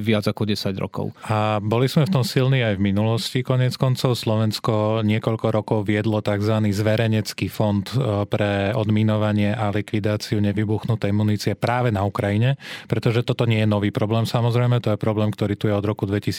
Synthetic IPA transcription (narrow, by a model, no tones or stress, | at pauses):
ʋɪad͡zakɔɟɛsaɟɾɔ̰kɔ̰ʊabɔliz̥mɛft̪ɔmsilniːajvminulɔscikɔɲɪɛt͡skɔnt͡sɔʊslɔʋɛnskɔɲɪɛkɔʎkɔɾɔkɔʊʋɪɛd̪lɔt̪aɡzʋaniːzʋɛɾɛɲɛt͡skiːfɔnt̪pɾɛɔd̪minɔʋaɲɪɛʔalikʋid̪aːt͡siuɲɛʋibuxnut̪ɛimuniːt͡siɛpɾaːʋɛnaukɾajiɲɛpɾɛt̪ɔʒɛt̪ɔt̪ɔɲɪɛjɛnɔʋiːpɾɔblɛːmsamɔzɾɛjmɛt̪ɔjɛpɾɔblɛːmkt̪ɔɾiːt̪ujɛɔd̪ɾɔkud̪ʋɛcis